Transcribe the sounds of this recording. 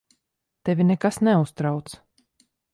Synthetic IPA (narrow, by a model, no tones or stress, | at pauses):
t̪ɛvʲinɛkasnɛust̪ɾawt̪s